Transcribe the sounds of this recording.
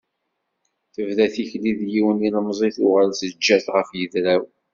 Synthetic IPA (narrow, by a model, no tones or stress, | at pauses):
θəvðæθiçliðjiwəninəmzˤiθʊʁəlsəd͡ʒːæθʁəfjəðɾæw